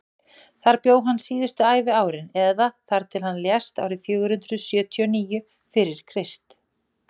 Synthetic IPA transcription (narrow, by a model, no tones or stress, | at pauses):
θaɾpjoːwɦanːsiːðʏst̪ʏaːjvɪaːwɾɪnɛðaθaɾ̥t̪ʰɪlhanːljɛst̪a̰wɾɪfjœːɣʏɾ̥hʏnt̪ɾʏðsjœːt̪ʰijɔniːjʏ | fɪɾɪɾ̥kʰɾɪst̪